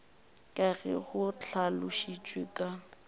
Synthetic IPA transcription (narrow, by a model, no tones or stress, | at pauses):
kʼaɣɛ̰ɣʊt͡ɬʰalʊʃit͡ʃʼwekʼa